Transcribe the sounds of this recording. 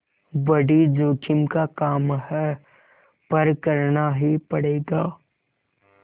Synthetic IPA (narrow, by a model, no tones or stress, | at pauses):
bɐɽid͡ʒoːkʰɪmkakaːmhɛ | pɐɾkɐɾnaɦipɐɽeːɡaː